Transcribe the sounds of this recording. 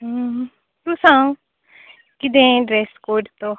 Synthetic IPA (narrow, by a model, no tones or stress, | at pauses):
t̪ʊsãː | kɪd̪ẽːɖɾɛskoːɖt̪õ